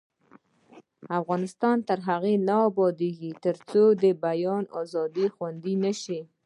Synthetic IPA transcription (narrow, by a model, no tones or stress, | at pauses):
afɣɑnɪst̪ɑnt̪əɾɦaɣenaːbɑd̪eɡit̪əɾt͡sod̪əbajɑnɑzɑd̪ixwand̪inaʃi